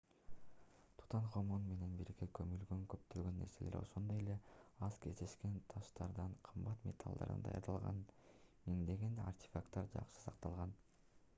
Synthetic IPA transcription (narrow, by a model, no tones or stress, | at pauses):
t̪ʰu̥t̪ʰɑɴqomunme̞ne̞nbiɾikekʰømylɡøŋkøpt̪ølɡø̞nːe̞ɾse̞leɾo̞̰ʃond̪o̞je̞le̞ɑzkʰe̞zd̪e̞ʃke̞nt̪ʰɑʃt̪ɑɾd̪ɑɴqʰɯmbɑt̪mʲe̞̰t̪ʰa̰lˠd̪ɑ̰ɾɯ̰nd̪ɑjɑ̰ɾd̪ɑlˠʁɑ̰nmiŋd̪e̞ɡena̰rt̪ʲe̥fakt̪ːɑɾd͡ʒɑ̰qʃɯ̥sɑq̚t̪ɑlˠʁɑn